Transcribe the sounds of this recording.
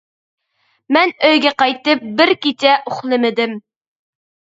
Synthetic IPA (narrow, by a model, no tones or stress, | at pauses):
mɛnøjɡʲɛqɑjt̪ɨp̚bɪɾkʲit͡ʃʰɛʔoχlˠɨmɪd̪ɪm